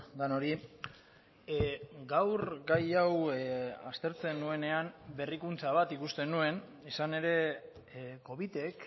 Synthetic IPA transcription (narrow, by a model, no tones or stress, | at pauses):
ɡ̪ano̞ɾi | ɡawɾɡajawast̪e̞ɾt͡se̞nue̞ne̞ambe̞rikunt͡saβ̞at̪ikust̪e̞nue̞n | isane̞ɾe̞ | ko̞βit̪e̞k